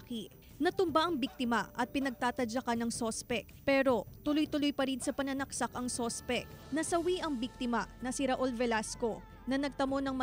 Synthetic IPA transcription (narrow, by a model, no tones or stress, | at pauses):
ki | nɐt̪ʊmbaʔɐŋbik̚t̪ɪmɐ̰ʔɐt̪̚pɪnɐɡ̚t̪aːt̪ɐd͡ʒɐkanɐŋso̞spɛk̚pɛːɾo̞t̪ʊlojt̪ʊlojpɐɾinsɐpɐnɐnɐksakɐŋso̞spɛk̚nɐsɐwiʔɐŋbik̚t̪ɪmɐnɐsɪɾɐʔolvɛlasko̞ | nɐnɐɡ̚t̪ɐmo̞nɐŋmɐ